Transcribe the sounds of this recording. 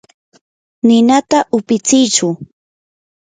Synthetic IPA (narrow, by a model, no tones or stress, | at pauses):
nɪnat̪aʔʊpɪt͡sɪjt͡ʃʊ